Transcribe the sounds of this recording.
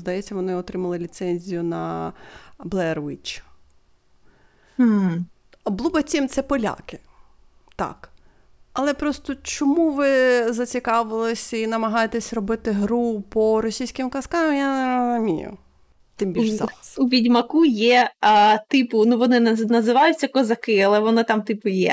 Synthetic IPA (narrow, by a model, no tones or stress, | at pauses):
zd̪ɐjɛt͡sʲːɐʋɔnɪɔt̪ɾɪmɐlˠɪlʲit̪sɛnʲzʲijʊnɐ | blˠɛrʋit͡ʃ | m̩ | blˠubɐt͡sʲimt̪sɛpɔlʲa̰kɪ̥ | t̪ɑ̰k | ɐlˠɛpɾɔst̪ɔt͡ʃɔmuʋɪzɐt͡sʲikɑʋɪlˠɪsʲɐinɐmɐɦɑjet̪ɛsʲrɔbɪt̪ɪɦɾupɔɾɔsʲijsʲkʲɪmkɐskɑmjamʲḭjʊ̰ | t̪ɪmbʲiʒɑ̰xuʋʲidʲmɐkujɛt̪ɪpʊnuʋɔnɪnɐzɪʋɑjʊt͡sʲːɐkɔzɐkɪɐlˠɛʋɔnɪt̪ɑmt̪ɪpʊjɛ̰